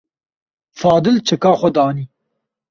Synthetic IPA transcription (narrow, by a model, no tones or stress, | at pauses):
fɑːd̪ɪlt͡ʃʰɐkɑːχʷɔd̪ɑːni